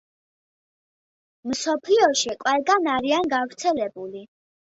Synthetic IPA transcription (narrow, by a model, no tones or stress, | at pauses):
msɔpʰliɔʃiqʼwɛlˠɡanaɾianɡavɾt̪sʰɛlɛbuli